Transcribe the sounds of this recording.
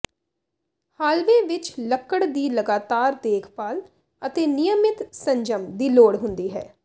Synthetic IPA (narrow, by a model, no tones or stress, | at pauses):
haːlʋẽːʋɪt͡ʃləkːəɽd̪iːləɡaːt̪aːɾd̪eːkʰpaːl | ət̪eːnɪjəmɪt̪səɲd͡ʒəmd̪iːloːɽɦʊ̃nd̪iːɦɛ̰ː